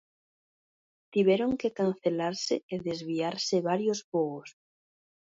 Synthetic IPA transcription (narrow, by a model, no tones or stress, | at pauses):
t̪iβjeɾoŋkekanθelaɾseeðezβiaɾseβaɾjosβoos